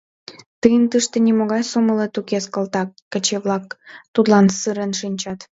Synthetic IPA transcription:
t̪ɯjənt̪ɨʃt̪ĕnʲimoɣɑjsoməlet̪ukeskə̆lt̪ɑːə̆t͡ɕeβlɑkt̪ut̪lɑnsɯɾənʃinʲt͡ɕɑt̪

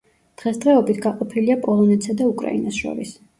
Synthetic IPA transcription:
d̪̥ʁɛsd̪ʁɛɔbit̪ʰɡaqʼɔpʰiliapʼɔlˠɔnɛt̪sʰad̪aukʼɾa̰ḭnasʃɔ̰ɾḭs

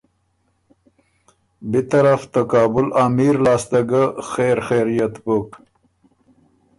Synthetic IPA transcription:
bit̪aɾaft̪akɑːbʊlaːmiɾlɑːst̪aɡaxeɾxejɾijat̪pok

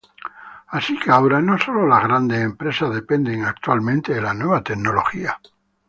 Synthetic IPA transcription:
asikeawɾanoso̞lolazɣ̞ɾand̪eempɾe̞saðe̞pend̪eŋak̚t̪walmẽnt̪eðelanwe̞β̞at̪eɡno̞lo̞̰xia

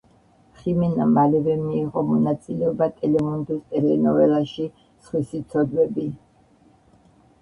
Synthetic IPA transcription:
χimɛnamalɛvɛmiːʁɔmɔnat̪sʼilɛɔbat̪ʼɛlɛmund̪ɛst̪ʼɛlɛnɔvɛlaʃi | sχwisit̪sʰɔd̪wɛbi

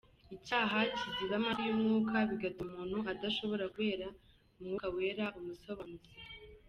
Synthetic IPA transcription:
icaːɦaciziβamaɾijumŋuːkʰaβiɡatumuːn̥huʔadaʃo̞βo̞ɾakwe̞ːɾa | umŋuːkawe̞ːɾaʔumusoβanuze

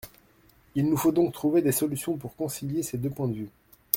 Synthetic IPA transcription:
ilnufod̪ɔ̃k̚t̪χuved̪esɔlysjɔ̃puʁkɔ̃siljesed̪øpwɛ̃d̪əvy

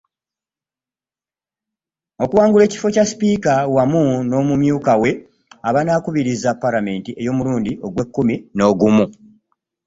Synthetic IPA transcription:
o̞kuwaːŋɡule̞ːci̥fo̞caspiːkawamuno̞ːmumjuːkawe̞ | aβanaːkuβiɾizapːalame̞ːntiʔe̞jo̞ːmuluːndiʔo̞ɡwe̞kːumino̞ːɡumu

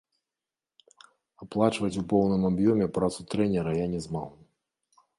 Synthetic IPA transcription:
aplˠat͡ʂvɐt͡sʲupɔwnɨmabjɔmʲɛpɾat̪sut̪ɾɛnʲɛɾɐjanʲɛzma̰w

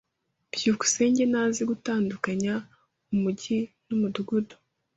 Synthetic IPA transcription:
b̥juku̥se̞ːɲɟe̞naːziɡutaːndukaɲa | umuɟinumuduɡudo̥

